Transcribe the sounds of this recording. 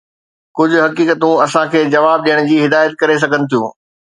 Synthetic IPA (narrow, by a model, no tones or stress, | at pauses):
kʊd͡ʑʱʊ̆ɦɐkiːkət̪ũɐsãkʰeːd͡ʑɐʋaːb̚ɗijəɽ̃d͡ʑiːɦɪd̪aːjət̪̚kɐɾes̬ɐɡʱənɪ̆t̪ʰijũː